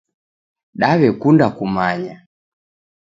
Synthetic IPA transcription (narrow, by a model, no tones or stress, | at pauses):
ɗaβɛkundakumaɲa